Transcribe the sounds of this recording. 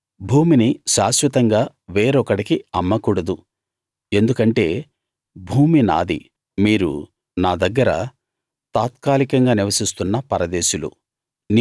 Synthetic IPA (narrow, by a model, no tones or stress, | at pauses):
bʱuːminiʃaːʃʋɐt̪ɐŋɡaː | ʋeːɾɔkɐɽikiɐmːɐkuːɽɐd̪u | e̞nd̪ukɐɳʈe̞ː | bʱuːmina̰ːd̪ḭ | miːɾṵ | naːd̪ɐɡːɐɾɐ | t̪aːt̪kaːlikɐŋɡaːniʋɐsist̪unːɐpɐɾɐd̪eːʃulṵ | n